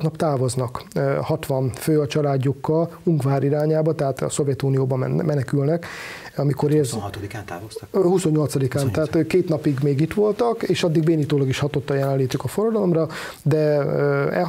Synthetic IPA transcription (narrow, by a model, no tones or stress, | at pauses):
t̪nɒpt̪aːvo̞znɒkøhɒt̪ʋɒɱføːɒt͡ʃɒlaːɟːukːɒluŋkʋaːɾiɾaːɲaːbɒt̪ɛɦaːt̪ɒ̰so̞vjɛt̪unijoːbɒmɛ̰nmɛnɛkylnɛk | ɒmiko̞ɾeːzt̪d̪ikat̪aːohuso̞ɲːo̞lt̪sɒd̪ikaːnt̪ɛɦaːt̪ːkeːt̪nɒpiɡmeːɡit̪ʋo̞lt̪ɒkeːʃɒd̪ːiɡ̚beːnit̪oːlɒɡiʃhɒt̪ot̪ːɒjɛlɛnliːt̪ykɒforɒd̪ɒlo̞mrɒ | d̪ɛøɛ̰